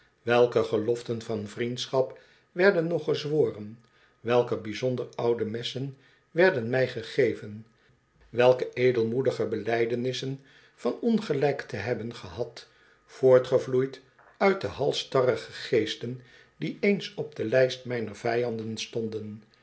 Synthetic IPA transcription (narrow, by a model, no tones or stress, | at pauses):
ʋɛlˠkəχəlɔftənvɑnvrintsχɑp | ʋɛɹdənːɔχəzʋoːrən | ʋɛlˠkəbizɔndərɑwdəmɛsən | ʋɛɹdənmɛjχəχejvən | ʋɛlˠkəejdəlˠmudəχəbəlɛjdənɪsən | fɑnɔnχəlɛjktəɦɛbənχəɦɑt | foːɹtχəvlujt | œɥt̚dəɦɑlˠstɑrəχəχejstən | d̥iejnsɔb̚d̥əlɛjstmɛjnəɹv̥ɛjɑndənstɔndən